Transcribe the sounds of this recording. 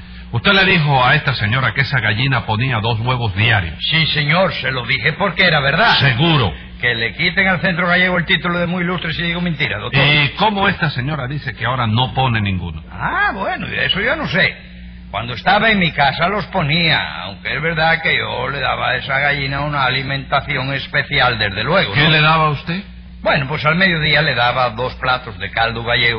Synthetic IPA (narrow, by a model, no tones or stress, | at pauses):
ust̪ele̞ðixo̞ae̞st̪ase̞ɲo̞ɾake̞saɣaʝinapo̞niaðo̞zɣwe̞β̞o̞zðjaɾjossise̞ɲoɾse̞loðixepo̞ɾkeeɾaβeɾðaseɣuɾo̰ | ke̞le̞kit̪e̞ŋalθe̞nt̪ɾoɣaʝe̞ɣoelt̪it̪uloðemuilust̪ɾesiðiɣoment̪iɾa̰ðok̪̚oko̞moest̪ase̞ɲo̞ɾaðise̞keao̞ɾano̞po̞nenĩŋɡṵnoaβwenoḭðesoʝonose | kwa̰nd̪oest̪aβaeŋmikasalosponia̰a̰wŋkeezβeɾðakeʝo̰leða̰βa̰esaɣaʎinaunaːlimẽnt̪aθjoŋespeθjald̪ezðelweɣokeleðaβaust̪e | bwenopwesalmeðjoðialeðaβaðo̞splat̪ozðekald̪uɣaʎeɣo